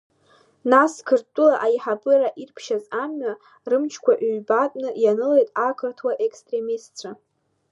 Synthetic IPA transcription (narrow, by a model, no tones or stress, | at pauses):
naskʰɨrtʼʊlaʔajħabɨɾaʔirpʰʃazamɥa | rɨmt͡ʃʰkʷʰaʔɥbatʼnɨjanɨlejtʼakʰɨrtʰwaʔekstʼre̞mistt͡sʷʰa